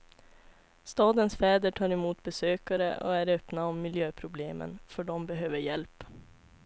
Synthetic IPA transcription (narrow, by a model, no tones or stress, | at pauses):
st̪ɑːd̪ənsfɛːd̪əʈʰɑːɾɪmuːt̪̚bɛsøːkaɾə̰ʔɔ̰æɾœpnaɔmːɪljøːpʰɾʊbleːmə̰nfœɖɔmbɛɦøːvəɾjɛlp